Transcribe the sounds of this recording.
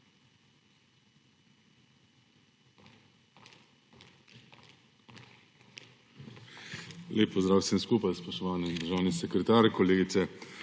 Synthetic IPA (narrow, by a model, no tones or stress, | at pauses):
leːpːɔzd̪ɾaːwsəmskuːpajspɔʃt̪ɔʋaːnid̪əɾʒaːwnisɛkɾɛt̪aːɾkɔleːɡit̪sɛ